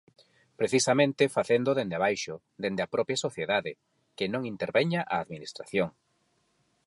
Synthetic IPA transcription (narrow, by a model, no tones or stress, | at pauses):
pɾeθisamẽnt̪ɪfaθend̪oðend̪eβajʃʊ | d̪end̪apɾɔpjasoθjeðaðɪ | kɪnõŋint̪eɾβɛɲaʔaːðminist̪ɾaθjoŋ